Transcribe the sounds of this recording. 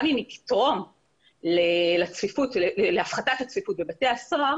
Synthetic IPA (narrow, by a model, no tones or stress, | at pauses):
mimiki̥tʁo̞n | lelat͡sfifutleeleafχatakat͡sfifut̚bebateaasaʁa